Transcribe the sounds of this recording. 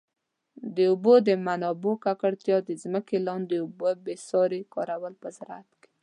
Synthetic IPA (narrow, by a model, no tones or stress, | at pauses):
d̪əubod̪əmanɑbokakaɽt̪jɑd̪əzməkelɑnd̪əubəbesɑɾekɑɾawəlpəzaɾa̰t̪ke̥